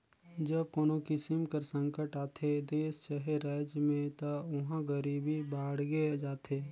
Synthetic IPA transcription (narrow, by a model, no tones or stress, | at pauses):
d͡ʒəbkoːnokɪsɪmkəɾsə̃ŋkəʈaːt̪ʰed̪eːst͡ʃəɦeɾaːd͡ʒjmẽt̪oʊɦãɡəɾiːbʱibaːɽɡed͡ʒaːt̪ʰeː